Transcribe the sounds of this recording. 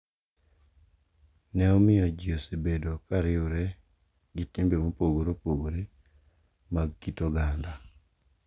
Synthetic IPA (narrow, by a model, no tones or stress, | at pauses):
nɛɔmɪjɔd͡ʒiosebedokaɾɪʊɾɛ | ɡɪtɪmbemopoɡoɾopoɡoɾe | maɡkitoɡanda